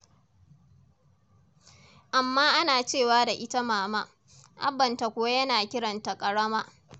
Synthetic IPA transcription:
ʔa˨mːaː˦ʔa˦naː˨t͡ʃeː˦˨waː˦da˨ʔɪ˦ta˦maː˨maː˦ | ʔa̰˦bɐ˨nta˨kʷʊ˦wa˦jɐ˦naː˨kʲɪ˦ɽɐ˨nta˨kʼɐ˨ɽɐ˦maː˦

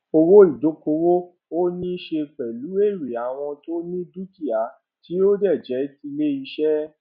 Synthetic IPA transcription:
o˧wo˦i˨do˨˦ko˧wo˦ | o˦nĩ˦ʃe˧k͡pɛ˨lu˨˦e˦˨ɾi˨a˨w̃ɔ̃˧to˦nĩ˦du˦ki˦˨a˨˦ | ti˨˦o˦dɛ˦˨d͡ʒɛ˨˦ti˧le˦i˧ʃɛ˦

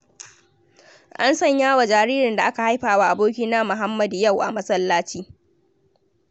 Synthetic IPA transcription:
ʔa˦nsɐ˦˨ɲjaː˦wa˨d͡ʒaː˨ɾiː˦ɾɪ˨nda˨ʔa˦ka˨ha˦jɸaː˨waː˦ʔa˨boː˦kʲi˦naː˦mʊ˨ɦa˦mːɐ˦dja˦˨wʔa̰˨mɐ˦sɐ˦lːaː˦t͡ʃiː˦

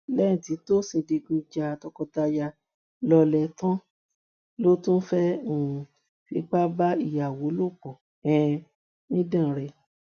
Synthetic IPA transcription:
lɛ˦ĩ˨ti˨˦to˦sĩ˧de˧ɡĩ˧d͡ʒa˧tɔ˧kɔ˧ta˧ja˧ | lɔ˧lɛ˧tã˦ | lo˦tũ˦fɛ˦ũ˦˨ | fi˨˦k͡pa˦ba˦i˦˨ja˨wo˨˦lo˦˨k͡pɔ̃˨ | ɛ̃˨˧ | nĩ˦dã˦˨ɾɛ˧

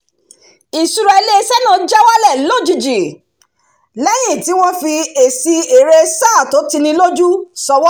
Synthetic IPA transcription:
i˨su˧ɾɛ˧le˦˧˦sɛ˦nã˦˧˨d͡ʒa˦wa˦lɛ˦˨lo˦˨d͡ʒi˧˨d͡ʒi˨ | lɛ˦j̃ĩ˦˨ti˨˦w̃ɔ̃˦fi˧e˨si˧e˨ɾe˧saː˦˨to˨˦ti˧nĩ˧lo˦d͡ʒu˦sɔ˧wɔ˦

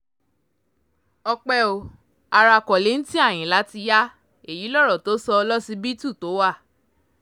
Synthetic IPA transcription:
ɔ˧k͡pɛ˧o˨ | a˧ɾa˧˨kɔ˨le˨˦n̩˦ti˦a˦˨j̃ĩ˨la˨˦ti˧ja˦ | e˨ji˨˦lɔ˦˨ɾɔ˨to˨˦sɔ˧lɔ˦si˧bi˦tu˦˨to˨˦wa˦˨

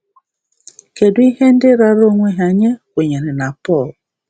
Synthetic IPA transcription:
ke˨dwi˦ɦe˦n̩˦dɪ˦ɾa˨ɾo˦ŋʷe˦ɦa˨ɲe˦wʷe˨ɲe˨ɾe˨na˨pɔ˦˨l

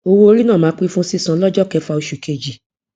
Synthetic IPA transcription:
o˧wo˧˦o˧ɾi˦nãː˦˨mãː˨˦k͡pi˦fũ˦si˦sã˨˦lɔ˦d͡ʒɔ˦kɛ˨˧˦fa˧o˧ʃu˨ke˧˨d͡ʒi˨

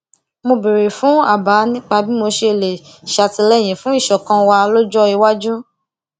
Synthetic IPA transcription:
mo˧bi˨ɾe˨fũ˨˦a˦˨ba˨˦nĩ˦k͡pa˧bi˦mo˧ʃe˧˨le˨ | ʃa˧tĩ˧lɛ˦˨j̃ɛ̃˨fũ˨˦i˦˨ʃɔ˨kã˧wa˧lo˦d͡ʒɔ˦i˧wa˦d͡ʒũ˦

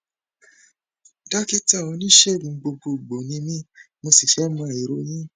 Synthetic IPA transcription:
da˦ki˦ta˦˨ɔ̃˧nĩ˦ʃɛ˦˨ɡ͡bũ˨˧ɡ͡bo˧ɡo˧˨ɡ͡bo˨nĩ˨˧˦mĩ˦ | mo˧si˨ʃɛ˨˦mɔ̃˧a˨i˨ɾo˦jĩ˦

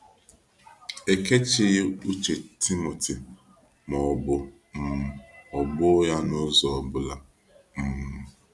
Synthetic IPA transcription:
e˨ke˦t͡ʃɪ˨ɣɪ˦u˦t͡ʃe˨tʰi˦mo˨tʰi˨ | mɔ˨bʊ˨ | m̩˨ɔ˨ɡ͡bʊ˦ja˦nʊ˦zɔ˨ɔ˨bʊ˦la˨ | m̩˨m̩˨

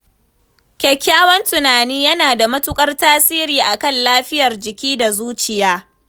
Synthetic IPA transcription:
kʲɛ˨kʲːaː˦wɐ˦ntʊ˨naː˨niː˦jɐ˦naː˨da˨mɐ˦tʊ˦kʼɐ˦rtaː˦siː˦ɾiː˨ʔa˨kɐ˦˨nlaː˦ɸɪ˦jɐ˨rd͡ʒɪ˨kʲiː˦da˨zuː˦t͡ʃɪ˨jaː˦

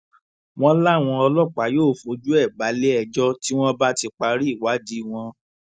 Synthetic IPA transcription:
w̃ɔ̃˦la˦˨w̃ɔ̃˧ɔ˧lɔ˦˨k͡pa˨˦joː˦˨fo˨˦d͡ʒu˦ɛ˦˨ɡ͡ba˨˦le˦ɛ˦˨d͡ʒɔ˦ti˦w̃ɔ̃˦ba˦ti˧k͡pa˧ɾi˦i˦˨wa˨˦di˦w̃ɔ̃˧

